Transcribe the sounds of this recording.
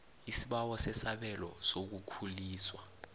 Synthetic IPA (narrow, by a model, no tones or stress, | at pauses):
isiɓawɔsɛsaɓɛlɔ̰sok̬ukʰuliːswa